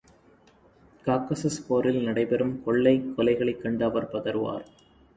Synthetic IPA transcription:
kaːkɐsɐspoːɾɪlnɐɽɐɪpɛɾɯmkɔɭːɐɪkːɔlɐɪɣɐɭɐɪkːɐɳɖaːʋɐɾpɐðɐɾɯʋa̰ːɾ

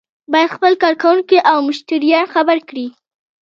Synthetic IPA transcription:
bɑjad̪xpəlkɑɾkawuŋkiʔawmʊʃt̪aɾijɑnxabaɾkɽi

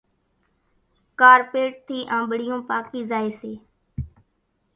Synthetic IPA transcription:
kaːɾpeːʈ̚t̪ʰiːʔãːmbɽɪjõːpaːkiːzaːeːseː

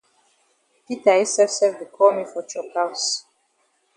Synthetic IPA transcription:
pitaɛsɛfsɛvdikʰɔmifɔt͡ʃʰɔkaws

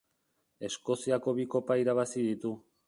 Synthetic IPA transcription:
e̞sko̞siako̞βiko̞paiɾaβ̞asiðit̪u

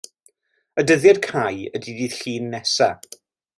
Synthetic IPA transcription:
ədəðjadkʰajədidiːð̥ɬiːnːɛsa

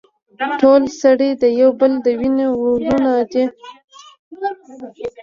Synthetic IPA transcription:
ʈolsaɽed̪əjawbəld̪əwinewulunad̪e

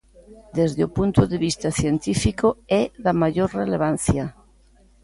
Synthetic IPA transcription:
d̪ezðeopunt̪oðeβ̞ist̪aθjent̪ifikoɛðamaʎoɾreleβ̞an̟θja

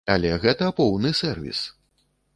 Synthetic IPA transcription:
a̰lʲɛɣɛt̪ɐpɔwnɨsɛrvʲḭs

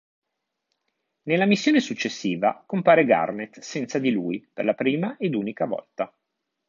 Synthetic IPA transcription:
nelːamisːjoːnesut͡ʃːesːiːva̰kompaːɾeɡa̰rnet̪sɛnt̪sad̪ilujperlapɾiːmaʔed̪uːnikavɔ̰lt̪a

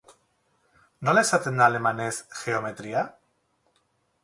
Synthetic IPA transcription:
nolesat̪end̪alemanesxeomet̪ɾia

